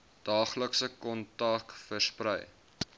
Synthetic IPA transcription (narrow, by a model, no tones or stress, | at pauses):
d̥ɑːχləksəkɔntɑkfərsprəj